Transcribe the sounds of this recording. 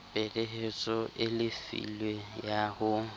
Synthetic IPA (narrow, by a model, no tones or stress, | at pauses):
pʼeleɦet͡sʼɔʔɪlɪfḭlwejahʊ